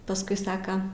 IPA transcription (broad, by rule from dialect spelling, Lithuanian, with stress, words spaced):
pɐˈskʊɪ ˈsɑːkɐ